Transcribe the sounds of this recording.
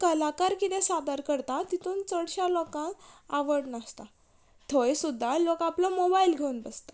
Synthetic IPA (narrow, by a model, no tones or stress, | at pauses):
kəlakaɾkit̪ɛ̃sad̪aɾkəɾt̪at̪it̪uːnt͡səɽɕalɔkãaʋəɽnast̪a | t̪ʰojsud̪ʱːalokaplɔmobailɡʱeunbəst̪ḁ